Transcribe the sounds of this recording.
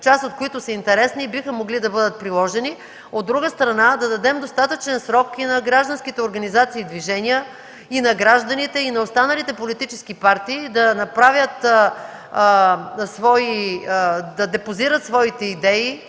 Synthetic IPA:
t͡ʃasot̪koit̪ʊsɐint̪ɛɾɛsnibixəmoɡlid̪ɐbɤd̪ət̪̚pɾilˠɔʒɛni | od̪ːɾuɡəst̪ɾɐnad̪ɐd̪ɐd̪ɛmd̪ost̪at̪ət͡ʃɛnsɾɔkinɐɡɾaʒd̪ɐnskit̪ɛoɾɡɐnizat̪siːd̪viʒɛnijə | inɐɡɾaʒd̪ɐnit̪ɛinɐost̪anɐlit̪ɛpolit̪it͡ʃɛskipaɾt̪iːd̪ɐnɐpɾavʲjət̪ | svɔi | d̪ɐd̪ɛpoziɾət̪svɔit̪ɛid̪ɛi

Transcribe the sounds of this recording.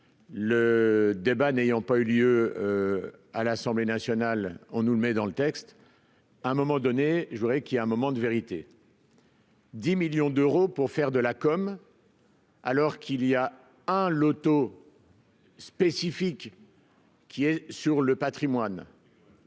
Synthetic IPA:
ləd̪ebanejɑ̃payljø | alasɑ̃blenasjɔnalɔ̃nuləmɛd̪ɑ̃lət̪ɛkst̪ | ɛ̃mɔmɑ̃d̪ɔneʒəvuʁɛkijaɛ̃mɔmɑ̃d̪əveʁit̪e | d̪imiljɔ̃d̪øʁopuʁfɛʁd̪əlakɔm | a̰lɔʁkʰilia | ɛ̃lot̪o | spesifik | kʲːiɛsyʁləpat̪χimwan

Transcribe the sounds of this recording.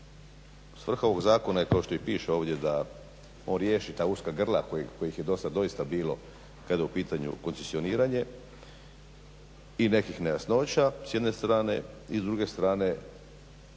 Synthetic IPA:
sʋr̩xao̞ʋo̞ɡzaːkonaje̞kao̞ʃt̪o̞ixpiːʃeo̞ːʋd̪ʲje̞d̪a | oːnɾjeːʃit̪aːuskaɡr̩lˠakoko̞jixjed̪o̞sad̪o̞ist̪abiːlo̞̰ | kad̪jeupiːt̪aɲṵko̞nsesio̞niːɾaɲe̞ | ine̞kixnejasno̞ːt͡ɕasjed̪ne̞st̪ɾaːne̞̰ | izd̪ɾuɡe̞st̪ɾaːne̞

